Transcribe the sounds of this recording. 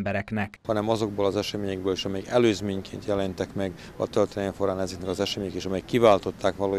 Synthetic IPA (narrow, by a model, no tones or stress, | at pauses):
bɛɾɛknɛkhɒnɛmɒzo̞ɡ̚boːlɒzɛʃɛmeːɲɛɡbøːliːʃɒmɛjɛkɛløːzmeːɲkḛːnt̪jɛlɛnt̪ɛkmɛɡ | ɒ̰t̪ølt̪ːeɱfoɾaːnɛzɛknɛkɒzɛʃɛmeːɲɛkeːʃɒmɛjɛkːivaːlt̪o̞t̪ːaːkʋɒloː